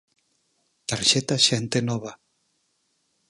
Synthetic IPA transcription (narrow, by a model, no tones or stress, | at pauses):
t̪aɾʃet̪aʃent̪enɔβa